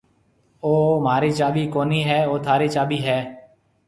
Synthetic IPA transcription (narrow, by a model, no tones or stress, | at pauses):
oːm̤aːɾiːt͡ʃaːɓiːkoːniːɦɛːoːt̪ʰaːɾiːt͡ʃaːɓiːɦɛː